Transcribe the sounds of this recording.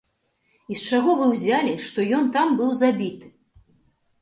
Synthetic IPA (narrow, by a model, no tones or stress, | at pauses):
ist͡ʂaɣɔvɨwzʲalʲiʂt̪ɔjɔnt̪ambɨwzabʲit̪ɨ